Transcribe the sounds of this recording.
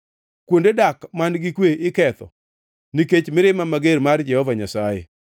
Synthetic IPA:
kwondedakmanɡɪkweʔɪkɛt̪ɔ̰ | niket͡ʃmɪɾɪmamaɡeɾmard͡ʒɛhɔvaɲasajḛ

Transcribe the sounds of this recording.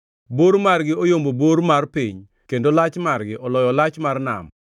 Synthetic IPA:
boɾmarɡɪɔjomboboɾmarpiɲ | kendolat͡ʃmarɡɪʔɔlɔjɔlat͡ʃmarna̰m

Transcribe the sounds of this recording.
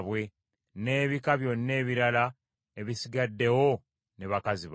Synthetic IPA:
βwe̞ | ne̞ːβikaβjo̞nːe̞ːβiɾala | eβisiɡadːe̞wo̞ | neβakaziβ

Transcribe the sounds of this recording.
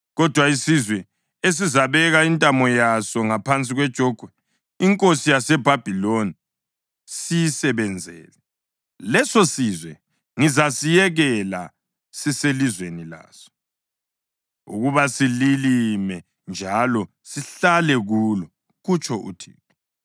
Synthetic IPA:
ɣɔd̥ʱwaisizwɛ | es̬izaβɛɣaintʼamɔjasɔŋapʰant͡sʼiɣwɛd̥ʒ̥ʱɔɡ̥ʱwɛ | iŋkʼosijasɛb̥ʱab̥ʱiloni | sijisɛβɛnd͡zʱɛ̰ːlɛ | lɛsosizwɛ | ŋizasijɛɣɛla̰ | siselizwenila̰ːsɔ̥ | ṵɣuβasililimɛ | nd͡ʒʱalɔ | siɬalɛɣuːlɔ | ɣut͡ʃʰʼɔʔṵtʰḭːtʰɔ̥

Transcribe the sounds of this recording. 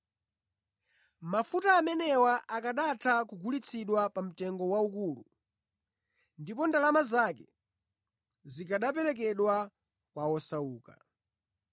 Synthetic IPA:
mafutaːmɛnɛwaʔakaɗatʰakuɡʱulit͡sʰiɗwapam̩tɛŋɡɔwaukuːlṵ | ndipɔndalamazakɛ | zikaɗap̬ɛɾɛk̬ɛɗwa | kwawɔsauːka̰

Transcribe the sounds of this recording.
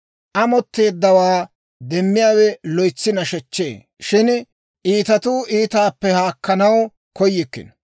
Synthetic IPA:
ʔɐmɔt̪ːe̞ːd̪ːɐwaː | d̪ɛmːɪjaːwɛlɔjt͡sːɪnɐʃɛt͡ʃːḛː | ʃɪn | ʔiːt̪ɐt̪uːʔiːt̪aːpːɛhaːkːɐnɐw | kɔjːɪkːɪ̰n

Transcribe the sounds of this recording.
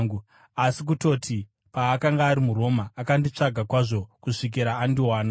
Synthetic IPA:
u | asik̬uto̞ːtʰi | paːkaŋɡaːɾimuro̞maːkandit͡ʂaɡʱakwaʐo̞kuʂik̬iɾaːndiwaːna

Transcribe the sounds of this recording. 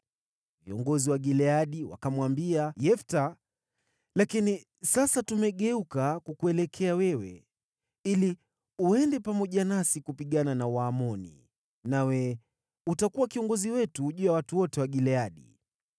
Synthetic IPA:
viɔŋɡɔziwaɠilɛaɗiwa̰kamwambiajɛfta | lakini | sasatumɛɠɛukakukuɛlɛkʰɛawɛwɛ̰ | ili | uɛndɛpamɔʄanasikupiɠananawaːmɔnḭ | nawɛ | utakuwakiɔŋɡɔziwɛtuʄuːjawatuwɔtɛwaɠilɛaɗḭ

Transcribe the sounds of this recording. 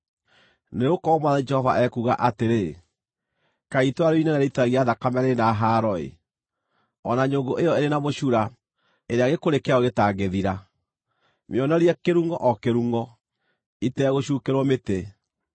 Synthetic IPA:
neokɔmwaðad͡ʒɛhɔva̰ʔɛkuɣa̰ʔateɾe | kaitwaɾoinɛnaɾeitaɣiaðakamɛɾenaɦaːɾɔḛ | ɔnaɲoŋɡoʔejɔeɾenamoɕuɾa | eɾeaɣekoɾekeaɔɣetaɣeðiɾa | mjɔnɔɾiɛkeɾuːŋɡɔʔɔkeɾuːŋɡɔ | itɛɣoɕukeɾwɔmete

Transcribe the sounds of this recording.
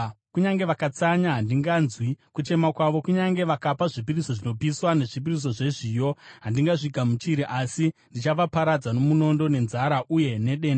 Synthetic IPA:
kuɲaŋɡe̞ʋakat͡saɲaɦandiŋɡanzwikut͡ʃe̞makwaʋo̞kuɲaŋɡe̞ʋakapaʐip̬iriso̞ʐino̞piswane̞ʐip̬iris̬o̞ʐe̞ʐiːjo̞ɦandiŋɡaʐikamut͡ʃiɾiʔasindit͡ʃaʋapaɾad͡zano̞muno̞ndo̞ne̞nzaɾaʔuje̞ne̞ɗe̞ːnda

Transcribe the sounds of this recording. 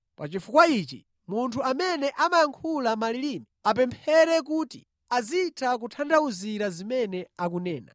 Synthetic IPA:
pa̰t͡ʃifukwait͡ʃḭ | muntʰuamɛnɛʔamajaŋkʰulamaliliːmiap̬ɛmpʰɛɾɛk̬uːtḭ | aziːtʰak̬utʰandauziɾazimɛnɛakunɛːna̰

